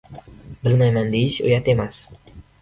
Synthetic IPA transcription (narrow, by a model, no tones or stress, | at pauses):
bəlmajmand̪iʃṵjat̪emas